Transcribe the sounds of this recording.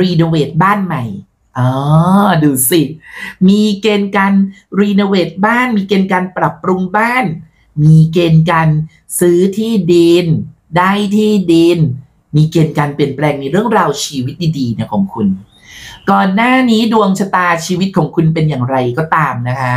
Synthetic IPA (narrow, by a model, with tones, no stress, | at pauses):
ɾiː˧noː˧weː˨˩t̪̚baː˥˩nma˧˩j | ʔɔː˧˩duː˧˩si˨˩t̪̚miː˧keː˧nkaː˧nɾiː˧no˧weː˨˩t̪̚baː˥˩nmiː˧keː˧nkaː˧npɾa˨˩pːɾu˧ŋbaː˥˩n | miː˧keː˧nkaː˧n | sɯː˦˥t̪ʰiː˥˩di˧n | daː˥˩jt̪ʰiː˥˩di˧n | miː˧keː˧nkaː˧npli˨˩ənplɛː˧ŋni˧ɾɯ˥˩əŋɾaː˧wt͡ɕʰiː˧wi˦˥t̪̚diː˧˩diː˧na˦˥˩kʰɔː˩˦ŋkʰu˧n | kɔː˨˩nːaː˥˩niː˦˥du˧əŋt͡ɕʰa˧t̪aː˧t͡ɕʰiː˧wi˦˥t̪̚kʰɔː˩˦ŋkʰu˧np̬e˧njaː˨˩ŋɾa˧jkɔː˥˩t̪aː˧mna˦˥kʰa˦˥